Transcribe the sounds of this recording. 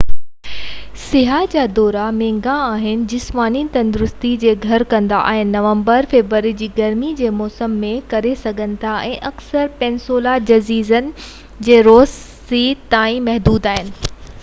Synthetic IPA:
sɪɦad͡ʑaːd̪ɔːɾamẽːŋɡãaːɦɪnɪ̆d͡ʑɪsmaːnit̪ɐ̃nd̪ʊɾʊst̪id͡ʑeːɡʱɐɾkɐ̃nd̪a̰ʔa̰ːɦɪnɪ̆nɐʋə̃mbəɾfeːʋɾəɾid͡ʑiːɡɐɾmid͡ʑeːmɔːsəmːẽkɐɾesɐɡʱənɪ̆t̪ʰaʔɛ̃ːʔɐksəɾpɛ̃ːnsoːlad͡ʑɐziːzənɪ̆ | d͡ʑeːɾoːsː | iːt̪aːĩmɐɦd̪uːd̪aːɦɪnɪ̆

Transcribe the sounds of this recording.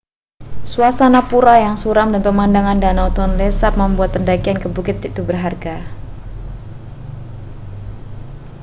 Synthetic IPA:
suasanapuɾajaŋsuɾamdanpəmandaŋandanaut̪ɔnlesap̚məmbuat̪̚pəndakiankəbukɪt̪ːit̪ubərɦarɡa

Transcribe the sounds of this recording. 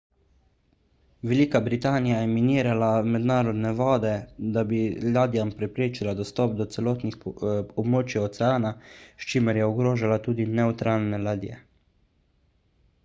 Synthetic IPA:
ʋɛliːkabɾit̪aːnijajɛminiːɾalamɛd̪naːɾɔd̪nɛʋɔːd̪ɛd̪abilaːd̪ijampɾɛpɾeːt͡ʃilad̪ɔst̪ɔːp̚d̪ɔt̪sɛlɔːt̪nixɔbmoːt͡ʃjaɔt̪sɛaːnaʃt͡ʃiːməɾjɛɔɡɾoːʒalat̪uːd̪inɛut̪ɾʔaːlnɛlaːd̪ḭjɛ̰

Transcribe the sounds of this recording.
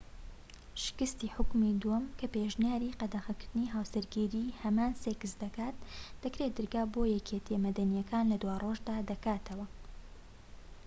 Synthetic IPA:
ʃɪ̥kɨst̪iːħʊkmid̪uwɐmkʰɐpeʒnijaːɾiqɐd̪axɐkɨɾd̪ɨniːɦaːwsɐɾɡiɾiːhɐmaːnsekɨsd̪ɐkaːt̪̚d̥̪ɐkɾed̪ɨɾɡaːbojɛkʰet̪ʰemɐd̪ɐnijɐkʰaːnlɐd̪waːrʔoːʒd̪aːd̪ɐkaːt̪ʰɐwɐ

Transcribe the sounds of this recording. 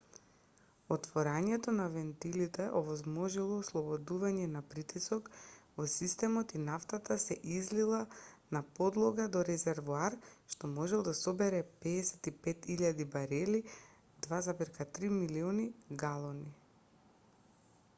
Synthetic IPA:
ɔt̪vɔɾaɲɛt̪ɔnavɛnt̪ilit̪ɛʔɔvɔzmɔʒilˠɔːslˠɔbɔd̪uvaɲɛnapɾit̪isɔkvɔsist̪ɛmɔt̪inaft̪at̪asɛʔizlilˠanapɔd̪lˠɔɡad̪ɔɾɛzɛɾvuaɾʃt̪ɔmɔʒɛlˠd̪asɔbɛɾɛpɛːsɛt̪ipɛt̪iʎad̪ibaɾɛli | d̪vazapɛɾkat̪ɾimiliɔniɡalˠɔni

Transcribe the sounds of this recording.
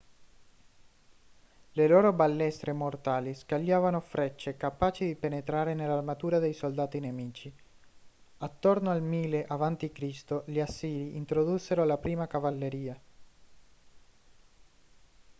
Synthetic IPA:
leloːɾobalːɛst̪ɾʔemort̪aːliskaʎːaːvanofɾʔɛt͡ʃːekapaːt͡ʃid̪ipenet̪ɾaːɾenelːarmat̪uːɾad̪ejsold̪aːt̪inemiːt͡ʃi | at̪ːornoalmiːleʔavant̪ikɾist̪oʎiasːiːliʔint̪ɾod̪usːeɾolapɾiːmakavalːeɾiːa

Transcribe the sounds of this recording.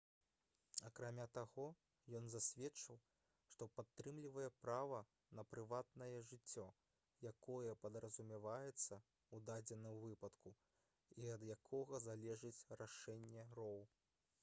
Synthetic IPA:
ɐkɾamʲat̪aɣɔ | jɔnzasʲvʲɛt͡ʂɐw | ʂt̪ɔpat̪ːɾɨmlʲivɐjɛpɾavɐ | nɐpɾɨvat̪nɐjɛʐɨt͡sʲːɔ | jakɔjɛpɐd̪ɾɐzumʲɛvajɛt̪sːɐ | ud̪ad͡zʲɛnɨwvɨpɐt̪ku | iɐd̪jakʰɔɣɐzalʲɛʐɨt͡sʲraʂɛnʲːɛrɔw

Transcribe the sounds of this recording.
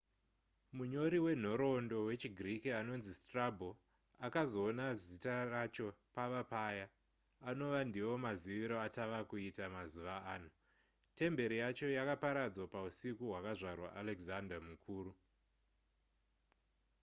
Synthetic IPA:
muɲo̞ɾiwe̞n̤o̞ɾo̞ndo̞we̞t͡ʃiɡʱrikiano̞nzistrabʱo | akazo̞ːnazitarat͡ʃo̞paʋapajaː | no̞ʋandiwo̞maziʋiɾo̞ataʋakuitamazuʋaaːn̤u | te̞mbe̞ɾijat͡ʃo̞jakapaɾad͡zwapausikuɦwakaʐarwa̰ʔaleɡzandamukʰuːɾu

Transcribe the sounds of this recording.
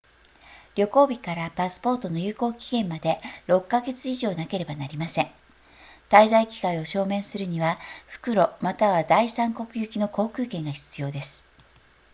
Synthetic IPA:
ɾʲo̞ko̞ːbʲikaɾapasɨ̥po̞ːt̪o̞no̞jɯ̟ːko̞ːkʲi̥ɡẽ̞mmːad̪e̞ɾo̞kːaɡe̞t͡sɨiʑo̞ːnake̞ɾe̞banaɾʲimasẽ̞ŋ | t̪aizaikʲi̥kaio̞ɕo̞ːmẽ̞ɰ̃sɨɾɯ̟ɲ̟iβaɸɯ̟̥kɯ̟ɾo̞mat̪aβad̪aisãŋko̞kɯ̟jɯ̟kʲino̞ko̞ːkɯ̟ːkẽ̞ŋɡaçi̥t͡sɨjo̞ːd̪e̞sɨ̥

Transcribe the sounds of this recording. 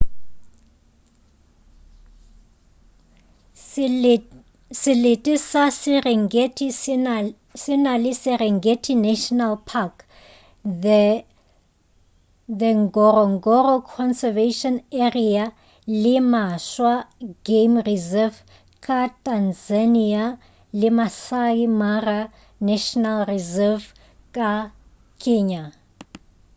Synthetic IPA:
sɪlɪtʼisasŋetʼi | sɪnalɪsɪɾɛŋɡetʰʼinɛʃɔnalpʰak | dɛŋɡɔrɔŋ̩ɡɔrɔkʰɔnsɛveʃɔneria | lɪmaʃwaɡemrizɛv | kʼatʼanzania | lɪmasaimara | naʃɔnalrizɛv | kʼa | kʼeːɲa

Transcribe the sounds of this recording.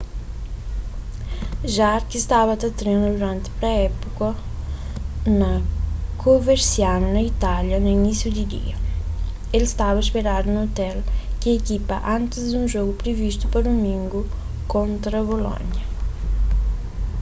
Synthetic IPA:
ʒaɾkist̪avɐt̪ɐt̪ɾenud̪uɾant̪pɾɛɛpukɐ | nɐkʰoveɾsjanːɐit̪aljɐnuinisjud̪id̪ḭɐ | elst̪avɐspeɾad̪unot̪ɛlkiekipɐʔant̪ɪzd̪unʒɔɡupɾevist̪upaɾd̪umĩŋɡu | kont̪ɾɐβolɔ̰ɲɐ

